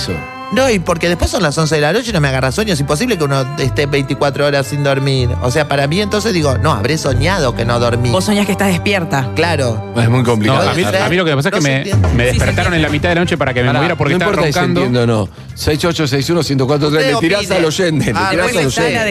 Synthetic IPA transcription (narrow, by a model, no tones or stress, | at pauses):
so̰ | noipoɾke̞ðe̞hpwesːo̞nlasons̬e̞ðelano̞t͡ʃeno̞meaɣarasweɲjoes̬impo̞s̬iβlek̬eunoest̪eβejnt̪ikwat̪ɾooɾasːind̪o̞ɾmiɾo̰seapaɾamĩent̪o̞ns̬e̞zðiɣo̞no̞a̰βɾeso̞ɲað̞okenoðo̞ɾmibosoɲjakeht̪ahðehpjeɾt̪aklaɾo | ezmujkomplikaoamiamilokemepas̬oekememeðepeɾt̪aɾonẽnlamit̪aðelanot͡ʃepaɾakememoβjeɾapoɾkẽit̪apoɾt̪aaend̪oend̪ono̰ | sɛjsot͡ʃos̬ɛjsunosjent̪okwat̪ɾot̪ɾeslet̪iɾasaloʃend̪eleiɾasaloʃen